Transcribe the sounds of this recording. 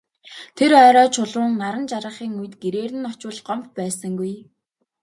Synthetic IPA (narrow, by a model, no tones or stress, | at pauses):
t̪ʰerœːɾɔːt͡ɕʰʊɮʊ̆ːŋnaɾə̆nt͡ɕaɾə̆χiːŋuj̆t̪ɡeɾeːɾɘ̆nɔt͡ɕʊːɮɢɔmt̪pæːsə̆ŋɡuj